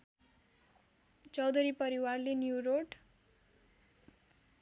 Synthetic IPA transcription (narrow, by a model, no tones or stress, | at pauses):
t͡sʌwd̪uɾipʌɾiwarlenjuroʈ